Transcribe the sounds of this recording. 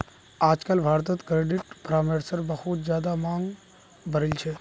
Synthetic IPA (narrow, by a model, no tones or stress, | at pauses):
aːd͡ʒkəlbʱaːɾt̪ət̪kɾeːɖɪʈpɾaːmeːɾsəɾbəhut̪zjaːd̪amãːŋɡ | bʱəɾɪlt͡ʃʰe